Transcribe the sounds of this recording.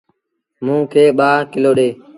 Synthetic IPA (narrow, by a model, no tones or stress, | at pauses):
mũːkʰeːɓaːɾkɪloːɗeː